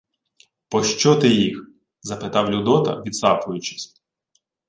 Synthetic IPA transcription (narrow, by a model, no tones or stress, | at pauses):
pɔʃt͡ʃɔt̪ɪjix | zɐpɪt̪ɑwlʲud̪ɔt̪ɐ̰ʋʲid̪sɑpʊjʊt͡ʃɪ̥sʲ